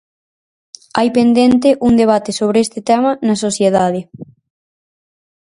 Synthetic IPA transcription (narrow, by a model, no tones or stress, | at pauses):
ajpend̪ent̪̬ɪʔuŋd̪eβ̞at̪ɪsoβɾeest̪ɪt̪ɛmɐnɐsoθjeðaðɪ